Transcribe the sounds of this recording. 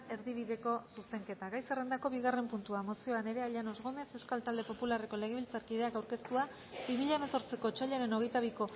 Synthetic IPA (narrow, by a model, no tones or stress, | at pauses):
e̞ɾðiβ̞iðe̞ko̞suse̞ŋke̞t̪aɣajsere̞nd̪ako̞βiɣare̞mpunt̪uamo̞sio̞ane̞ɾe̞aʎano̞zɣome̞se̞wskalt̪ald̪epo̞pulare̞ko̞le̞ɣ̞eβilt͡saɾkið̞e̞akawɾke̞st̪ua | bimiʎaemeso̞ɾt͡siko̞t͡ʃaʎeɾe̞no̞ɣ̞e̞jt̪aβ̞iko̞